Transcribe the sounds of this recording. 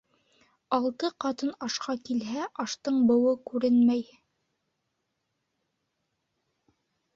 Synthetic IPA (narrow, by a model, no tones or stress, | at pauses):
ɑlˠt̪ɤqɑt̪ɤnɑʃqɑkilɦæʔɑʃt̪ɤɴbɤ̆wɤkʉɾɘnmæj